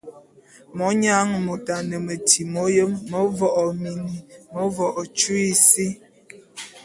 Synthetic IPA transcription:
mɔ˨˦ɲa˦ŋmo˨ta˨nə˨mə˨tʰi˨mo˦jə˦mmə˨˦vɔ˦˨ʔɔ˨mi˨ni˨mo˦vɔ˨ʔɔ˨t͡ʃu˦i˦si˦

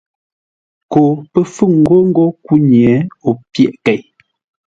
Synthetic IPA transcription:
ko˨pə˦fʉ˦˨ŋ̩˨ɡo˦ŋ̩˦ɡo˦ku˦ɲjɛ˨˦o˨pjɛ˨ʔkɛ˨j

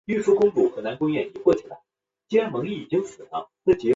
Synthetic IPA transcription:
y˥˩ʂu˥kʊ˥ŋpu˥˩xɤ˧˥na˧˥nkʊ˥ŋjɛ˥˩ni˧˥kwɔ˥˧˩t͡ɕʰi˥˩ə˧˩˦ | t͡ɕi˥ɻa˧˥nmɤ˧˥ŋi˥˩i˨˩t͡ɕi˥ŋsɹ̩˨˩nə˧˥ʈ͡ʂɤ˥˩t͡ɕjɛ˧˥

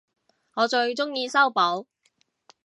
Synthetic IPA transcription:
ŋɔː˨˧t͡ʃɵ˧ɥt͡ʃʊ˥ŋjiː˧sɐ˥wpo˨˥w

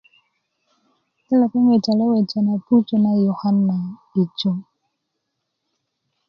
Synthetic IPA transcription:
ɛ˦la˨kɔ˦ŋwe˨ta˨lɔ˦we˨t͡ʃa˨na˨pu˦t͡ʃo˦na˦jɔ˨ha˦nːa˨i˨t͡ʃo˦

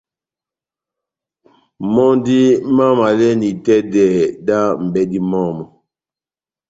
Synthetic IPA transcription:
mɔ˦ndi˦ma˦ma˨lɛ˦ni˨tɛ˦dɛ˨da˦m̩˨bɛ˦di˦mɔ˦˨mɔ˨

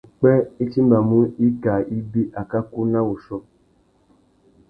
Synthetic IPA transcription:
k͡pɛ˦i˦t͡ʃi˦ba˨mũ˦i˦ɡa˨i˦bi˦ʔa˨ka˦ku˦nã˦wo˨ʃɔ˧

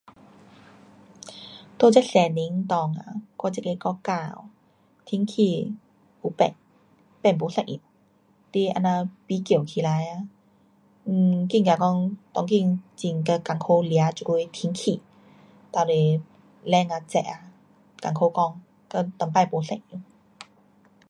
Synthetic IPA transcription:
t̪o˧˨t͡ɕa˧˥sɛ˨˧˨ni˧˦ŋt̪ɔː˧˩ŋa̰˧kɔː˧˩t͡ɕa˧˨ke˧˩kɔ˧kaː˧˩w | t̪ʰi˧˦ŋkʰi˧˩ | pu˧˦pɛ̰˧˩ŋ | pɛ˧˩npo˨˧˦sa˧˩jʔḭ˧˩t̚ | t̪i˧˩ʔa̰˧˨na˧˩piː˧˦ki˨˩˨wkʰi˧la˨˧˦ja˧ | ʔki˧˩ŋka˧˩kɔ˧ŋt̪ɔ˧˩ŋki˧˨ŋt͡ɕi˧˩ŋka˧˩ka˧˩ŋkʰo˧li˧a˧˦t͡ɕu˧lu˧jt̪ʰi˧˦ŋkʰiː˧˩ | t̪a˧˩le˧˩ | lɛ˧˩˨ŋa˧t͡ɕɛ̰˧˨ʔa˧ | ka˧˩ŋkʰo˧˦kɔ˧˩ŋ | ka˧˩t̪ɔ˧˦ŋpa˧˩jpo˨˧˦sa˧˩˨ʔi˧˦

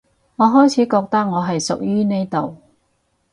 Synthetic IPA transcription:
ŋɔː˨˧ɦɔː˥jt͡sʰiː˨˥kɔː˧k̚t̪ɐ˥k̚ŋɔː˨˧ɦɐ˨jsʊ˨k̚jyː˥ne˥jt̪o˨w

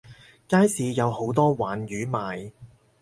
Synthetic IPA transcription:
kaː˥jsiː˨˧jɐ˨˧who˨˥wt̪ɔː˥waː˨njyː˨˥maː˨j

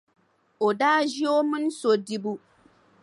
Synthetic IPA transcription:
o˨daː˦ʒi˦o˦mɨ˦n˦so˨di˦bu˦

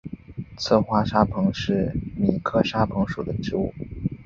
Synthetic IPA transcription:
t͡sʰɤ˥˩xwa˥ʂa˥pʰɤ˧˥ŋʂɻ̩˥˩mi˨˩kʰɤ˥˧ʂa˥pʰɤ˧˥ŋʂu˨˩d̪ə˦ʈ͡ʂɻ̩˥u˥˩

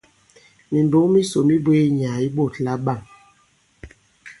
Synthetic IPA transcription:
mi˨nbo˨˦mi˦so˨mi˦be˦ɲ˨a˨i˦ɓo˦˨tla˦ɓa˦˨ŋ

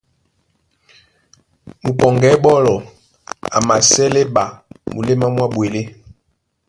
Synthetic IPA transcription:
mu˨pɔ˨ŋɡɛ˨˦ɓɔ˦lɔ˨ | a̰˨ma˨sɛ˦le˦ɓa˨mu˨le˦ma˦mwa˦ɓwe˨le˦

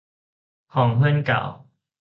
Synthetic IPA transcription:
hɔ˨˩ŋɦwə˦˥nka̰˨˩˦w

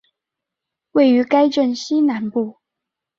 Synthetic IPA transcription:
we˥˩ɪy˧˥ka˥ɪʈ͡ʂə˥˩nɕi˥na˨˥˦npu˥˩

